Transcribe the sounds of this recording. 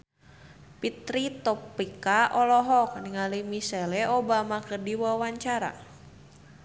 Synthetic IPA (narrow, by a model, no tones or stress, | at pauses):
pit̪ɾit̪ɔpikaʔɔlɔɦɔk̚niŋalimisɛlɛobamakɨrdiwawaɲt͡ʃaɾa̰